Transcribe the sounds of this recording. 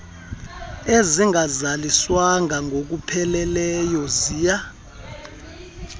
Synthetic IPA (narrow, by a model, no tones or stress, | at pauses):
eziŋɡʱazaliswaŋʱaŋɡʱok̬upʰɛlɛlɛjɔzija